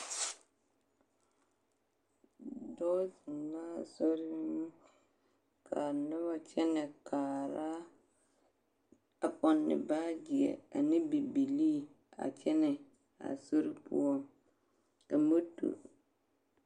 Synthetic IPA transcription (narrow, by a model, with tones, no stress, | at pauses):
dɔː˦zɪ˨nla˦˨sɔ˦ɾɪ˦m˦ | kʰa˨nʊ˦ba˨t͡ʃʰɛ˦nɪ̃˨kʰaː˨ɾa˦ | a˨k͡pɔ˨nːɪ̰˨baː˦d͡ʒi˨ɛ̰˨a˨nɪ̃˦bi˨bi˨liː˦ | a̰˨t͡ʃʰɛ˦nɪ˨ | a̰˨so˦ɾɪ˦pʰʊ̰˦ɔ˦ | a˨mo˦tʰṵ˨